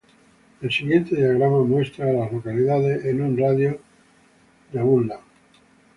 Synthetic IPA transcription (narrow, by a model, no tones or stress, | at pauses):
e̞lsiɣje̞nt̪e̞ðiaɣ̞ɾamamwe̞st̪ɾaːlazlokaliðaðesenunraðjo | d̪aɣulːa